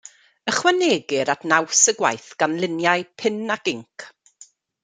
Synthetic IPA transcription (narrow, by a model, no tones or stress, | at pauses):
əχwaneːɡɪɾatnawsəɡwa̰jθɡ̥anlˠɪnjajpʰɪnaɡɪŋkʰ